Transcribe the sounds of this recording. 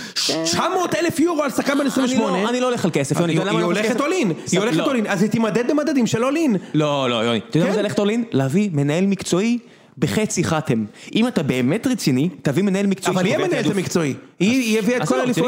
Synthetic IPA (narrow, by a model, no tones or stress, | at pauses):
ʃʃamoːt̪elefjuʁoalsakanbenesʁĩmbeoneanilooleχalkesefjonialamaoleet̪oliniolexetolinazit̪imad̪ed̪bemad̪ad̪imʃelolinlolojoniat̪od̪azeoleχetolinleavime̞nae̞lmikt͡soi | beχet͡siχatemʔimat̪abe̞ːme̞tʁet͡sinitavimenaelmikt͡soivalijɛmenaelt̪amikt͡so̞iijeviakolalif